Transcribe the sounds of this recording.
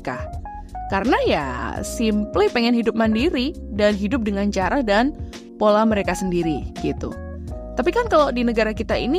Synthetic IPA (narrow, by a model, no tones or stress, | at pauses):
ka̰h | kaɾənaja̰simplɪhpeŋɛnɦidʊp̚mandiɾi | danɦidʊp̚dəŋant͡ʃaɾahdan | polaməɾekasəndiɾiɡ̥it̪ṵ | t̪apikankalodinəɡaɾakit̪aḭni